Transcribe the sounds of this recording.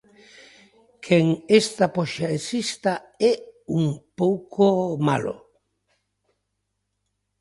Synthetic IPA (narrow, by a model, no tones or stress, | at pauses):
kʰeŋest̪apoʃaesist̪aɛuŋpowkʰoma̰lo̰